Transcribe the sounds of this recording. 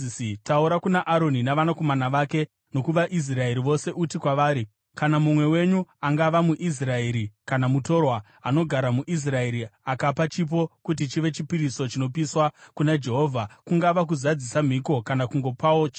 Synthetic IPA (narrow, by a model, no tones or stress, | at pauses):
isitauɾakunaʔaɾo̞ninaʋanako̞manaʋaːke̞ | no̞kuʋaʔis̬rae̞ɾiʋo̞se̞ʔutikwaʋaːɾi | kanamumwe̞we̞ɲuaŋɡaʋamuʔis̬rae̞ɾikanamuto̞rwa | ano̞ɡʱaɾamuʔis̬rae̞ɾiakapat͡ʃip̬o̞kut̬it͡ʃiʋe̞t͡ʃipiɾiso̞t͡ʃino̞piswakunad͡ʒe̞ɦo̞ːvʱakuŋɡaʋak̬uzad͡zisam̤iko̞kanakuŋɡo̞paot͡ʃ